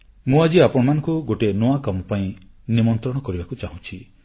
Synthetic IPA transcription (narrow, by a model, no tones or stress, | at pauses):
mũad͡ʒiapɔɽɔmanɔ̃ŋkuɡoʈenoakɔmɔpaĩ | nimɔnt̪ɾɔɽ̃ɔkɔɾibakut͡ʃaɦũt͡ʃʰi